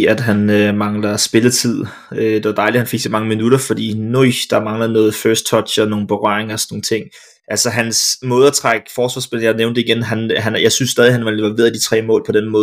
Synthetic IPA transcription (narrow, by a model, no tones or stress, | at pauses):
æd̥ɦænømɑ̈ŋlɐsb̥e̝lət͡sʰið̞̰ˠ | ød̥e̝ʋɑ̈d̥ɑ̈ɪli̥hænfe̝ɡ̥sɒmɑ̈ŋəminuɾ̥ɐfɒd̥ḭːnoɪd̥ɑ̈mɑ̈ŋlɐð̩ˠnɔ̽ːð̩ˠføɐsd̥̚t͡sʰɒ̥̽ɕɒno̝ːn̩b̥e̝ʁɶɐ̰eŋɐɒsɔnːo̝ŋn̩ə̥t͡sʰe̝ŋ̰ | ʔælsəɦænsmɔ̽ːð̞̩ˠæt͡sʰʁaɡ̥fɒːsʋɑ̈ːsb̥e̝ljɑneʊnd̥əiɡ̥enɦænɦænjɑ̈ɪsynsːɛːðˠiɦænʋɑleʋɐʋe̝ːð̩ˠd̥i̥t͡sʰʁɛ̰ːmɔ̰̽ːlpʰɒ̽d̥enmɔ̽ːð